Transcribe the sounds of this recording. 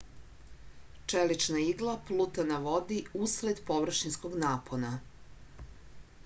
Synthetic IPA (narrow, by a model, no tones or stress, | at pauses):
t͡ʃelit͡ʃnaiɡlˠaplˠut̪anaʋod̪iusled̪po̞ʋr̩ʃinskoɡnaːpʰona